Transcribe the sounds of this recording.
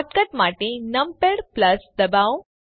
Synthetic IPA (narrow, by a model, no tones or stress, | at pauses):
t̪kəʈmaʈẽnɐmpeɽplɐsd̪ɐbaw